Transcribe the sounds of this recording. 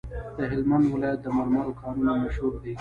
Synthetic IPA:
d̪̥əɦɪlmand̪wɪlɑjat̪̚d̪əmɑlmɑɾokʰɑnunamaʃhuɾd̪i

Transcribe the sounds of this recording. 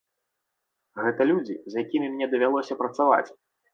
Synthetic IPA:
ɣɛt̪ɐlʲud͡zʲḭzjakʲimʲimʲnʲɛd̪ɐvʲalˠɔsʲɐpɾɐt̪sava̰t͡sʲ

